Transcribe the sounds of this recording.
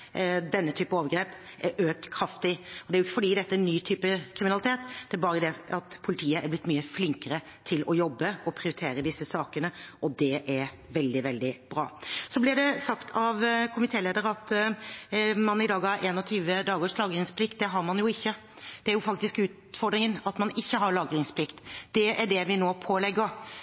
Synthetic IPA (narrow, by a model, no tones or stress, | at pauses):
d̪ɛnːət̪ʰyːpəoːʋəɾɡɾeːp | æɾʔøːk̚t̪kʰɾɑft̪ɪɔd̪ɛæɾʊɪçːəfɔɖiːd̪ɛt̪ːəænyːt̪ʰyːpəkʰɾɪmɪnɑlɪt̪ʰeːt̪d̪̥ɛæɾbɑːɾəd̪ɛɑt̪pʰʊlɪt̪ʰiːəʔæɾblɪt̪ːmyːəflɪŋkəɾə | t̪ʰɪlɔjɔbːəɔpʰɾɪʊɾɪt̪ʰeːɾəd̪ɪsːəsɑːkənəʔɔd̪ɛʔæɾ | ʋɛld̪ɪʋɛld̪ɪb̥ɾɑ̰ːsɔblɪɖɛsɑkt̪ʰɑʋkʰʊmɪt̪ʰeːleːd̪əɾɑt̪ | mɑnɪd̪ɑːɡɑʔeːnɔt̪ʰyːʋəd̪ɑːɡoːʂlɑːɡɾɪŋspʰlɪk̚t̪̚d̪ɛɦɑɾmɑnjʊɪçːə | d̪̥ɛæɾjʊfɑk̚t̪ɪskʉːt̪ | fɔɾɖɾɪŋənɑt̪mɑnɪçːəɦɑɾɭɑːɡɾɪŋspʰlɪkt̪d̪̥ɛʔæɖɛʋɪnoːpʰoːlɛɡːəɾ